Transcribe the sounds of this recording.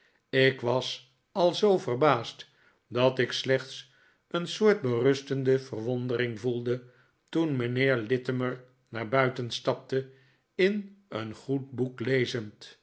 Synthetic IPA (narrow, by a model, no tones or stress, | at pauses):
ɪkʋɑs | ɑlˠzowvərbaːst | dɑtɪkslɛχts | ənsʊːɹt̚bərɵstəndəv̥ərʋɔndərɪŋvulˠdə | tunməneːɹlɪtəməɹ | naːɹbœɥtənstɑp̚tə | ɪnə̰nχut̚buklejzənt